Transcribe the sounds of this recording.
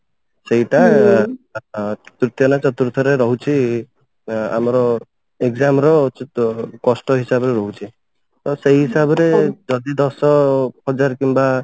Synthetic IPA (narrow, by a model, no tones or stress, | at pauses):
seɦiʈa | tɾit̪jɔnat͡ʃɔt̪uɾt̪ʰɔɾeɾɔɦut͡ʃʰi | a̰mɔɾɔ | eɡzamɾɔt͡ʃtkɔsʈɔɦisabɔɾeɾɔɦut͡ʃʰi | t̪ɔseɦiɦisabɔɾed͡ʒɔd̪id̪ɔsɔhɔd͡ʒaɾkimba